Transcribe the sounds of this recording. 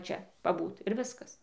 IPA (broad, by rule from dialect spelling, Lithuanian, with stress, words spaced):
ˈt͡ʃʲɛ pɐˈbuːt ɪr ˈʋʲɪskɐs